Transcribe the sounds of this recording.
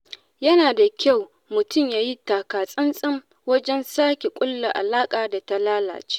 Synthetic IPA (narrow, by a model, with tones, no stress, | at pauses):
jɐ˦naː˨da˨kʲa˦˨w | mʊ˨tʊ˦˨mjaː˦ji˦taː˨kaː˨sʼɐ˦nsʼɐ˦m | wɐ˦d͡ʒɛ˦nsaː˦kʲe˨kʷʼʊ˦lːa˨ʔa̰˨laː˦kʼaː˨da˨ta˦laː˦la̰ː˨t͡ʃe̥ː˦ʔ